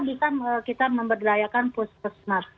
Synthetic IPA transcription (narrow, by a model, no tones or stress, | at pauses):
bisanəkit̪aməmbərdajakanpʊspusnar